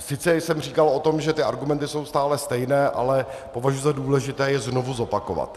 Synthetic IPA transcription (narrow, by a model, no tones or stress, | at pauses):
sɪt͡sɛsɛmr̝iːkalo̞t̪o̞mʒɛt̪ɪʔaɾɡumɛnt̪ɪso̞wst̪aːlɛst̪ɛjnɛːʔa̰lɛpo̞vaʒujuzaduːlɛʒɪt̪ɛːjɛzno̞vuzo̞pako̞va̰t̪